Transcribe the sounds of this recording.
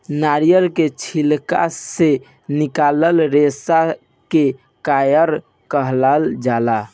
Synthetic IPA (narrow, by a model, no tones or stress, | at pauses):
naɾijəlket͡ʃʰilka̰se | nikaləlɾesa | ke | kajəɾ | kəɦlald͡ʒala